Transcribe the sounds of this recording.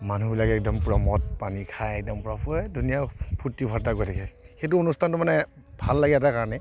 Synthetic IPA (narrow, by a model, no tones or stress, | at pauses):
manubilakɛk̚dɔmpuɹamɔt̚panikʰajɛk̚dɔmpuɹapʰudʱunijapʰutːibʱaɹtakojtʰakɛ | xet̬uonustʰantʊmanɛ | bʱalːaɡiɛt̬akaɹɔnɛ